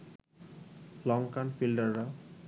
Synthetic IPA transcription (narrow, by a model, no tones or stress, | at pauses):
lɔŋkanfilɖəɾːa